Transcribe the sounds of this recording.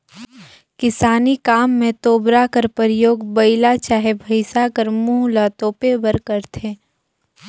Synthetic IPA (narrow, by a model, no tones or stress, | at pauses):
kɪsaːnikaːmːẽt̪oːbɾakəɾpəɾɪjoːɡbɐɪlat͡ʃaːɦebʱəɪsakəɾmuːɦlat̪oːpebəɾkəɾt̪ʰeː